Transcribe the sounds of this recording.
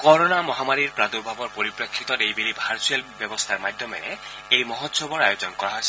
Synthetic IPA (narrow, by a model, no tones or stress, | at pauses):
kɔɹonamɔɦamaɹiɹpɹad̪ubʱabɔɹpoɹipɹekʰːit̪ɔejbelibʱaɹselbjɔbɔst̪ʰaɹmad̪ʱjɔmḛɾe | ejmɔɦɔt̪ːsobɔɹajod͡ʒɔnkɔɹaɦojsɛ